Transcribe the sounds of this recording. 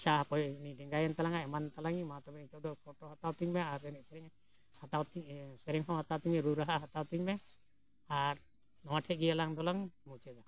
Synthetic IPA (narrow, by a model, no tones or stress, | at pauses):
t͡ʃaɦakɔjniɖɛŋɡajant̪alaŋaʔɛmant̪alaŋimat̪ɔbɛnit͡ʃɔd̪ɔkʰɔʈɔɦat̪awt̪iŋmɛaɾɛnɛsɛɾɛŋ | hat̪awt̪isɛɾɛŋɦɔwhat̪awt̪iɛɾuɾaɦaɦat̪awt̪iɲmɛ | aɾ | nɔwaʈʰɛɡijalaŋd̪ɔlaŋmut͡ʃɛd̪a